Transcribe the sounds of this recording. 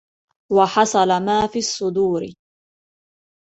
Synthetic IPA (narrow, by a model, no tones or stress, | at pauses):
wɑħɑsˤɑlamaːfiːɑsˤːʊd̪uːɾɪ̰